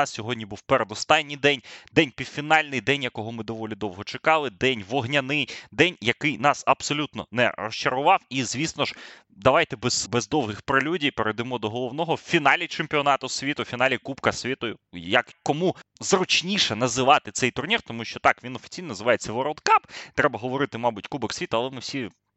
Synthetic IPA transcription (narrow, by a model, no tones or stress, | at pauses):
ɑssʲɔɦɔdʲnʲibuwpeɾed̪ɔst̪ɑnʲːijd̪ɛnʲd̪ɛnʲpʲiwfʲinɑlʲnɪjd̪ɛnʲjɐkɔɦɔmɪd̪ɔʋɔlʲid̪ɔwɦɔt͡ʃekɑlˠɪd̪ɛnʲʋɔɦnʲɐnɪjd̪ɛnʲjɐkɪjnɑsɐbsɔlʲut̪nɔ̰nɛ̰rɔʃt͡ʃɐɾʊʋɑwizʲʋʲisnɔʒ | d̪ɐʋɑjt̪ɛbɛz̥bɛzd̪ɔwɦɪxpɾɪlʲudʲijpeɾejd̪ɪmɔd̪ɔɦɔlˠɔʋnɔɦɔwfʲinɑlʲit͡ʃemʲpʲiɔnɑt̪ʊsʲʋʲit̪ʊfʲinɑlʲikupkɐsʲʋʲit̪ɔjʊjɐkkɔmuzrʊt͡ʃnʲiʃɛnɐzɪʋɑt̪ɪt̪sɛjt̪ʊrnʲirt̪ɔmuʃt͡ʃɔt̪ɑkʋʲinɔfʲi̥t͡sʲijnɔnɐzɪʋɑjet͡sʲːɐʋɔɾɔd̪kɑpt̪ɾɛbɐɦɔʋɔɾɪt̪ɪmɑbʊtʲkubɪksʲʋʲit̪ʊɐlˠɛmɪwsʲi